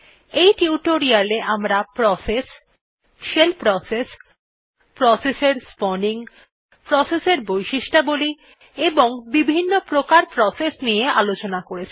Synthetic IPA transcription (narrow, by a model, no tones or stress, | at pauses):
ejʈiuʈoɾialeʔamɾapɾɔses | ʃelpɾɔses | pɾɔseseɾspɔniŋ | pɾɔseseɾbojʃiʃʈaboli | eboŋbibʱinːopɾokaɾpɾɔsesnijeʔalot͡ɕonakoɾet͡ɕʰi